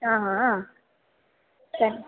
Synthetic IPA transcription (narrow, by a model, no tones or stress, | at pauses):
ãːɦã | sɐɾi